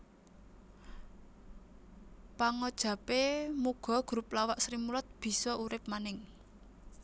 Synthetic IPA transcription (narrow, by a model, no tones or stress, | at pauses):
paŋɔd̥ʒ̥ä̤pemuɡ̥ɔ̤ɡ̥ɾuplawaʔsɾimulɔt̪̚b̥i̤sɔʔuɾɪp̚manɪŋ